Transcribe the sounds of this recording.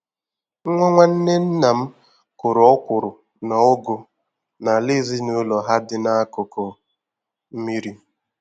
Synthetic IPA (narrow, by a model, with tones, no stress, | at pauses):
ŋʷɔ˦ŋʷa˦n̩˦ne˦n̩˦na˨m̩˦ | kʊ˨ɾʊ˨˦ɔ˦kʷʊ˨ɾʊ˨ | na˨ʊ˦ɡʊ˨ | na˨li˦˨zi˦nu˨˦lɔ˨ɦa˦dɪ˦na˦a˦kʊ˨kɔ˨ | m̩˦mi˦ɾi˦